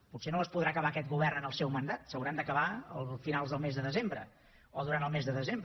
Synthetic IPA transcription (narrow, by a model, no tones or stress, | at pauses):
putsenoəspuðɾaːkəβaːkɛt̪̚ɡuβ̞ɛrnənəlˠsɛwmənd̪at̪səwɾand̪əkəβaəlˠfinalˠzðəlˠmezðəðəzembɾə̰ | oðuɾant̪əlˠmezðəðəzemb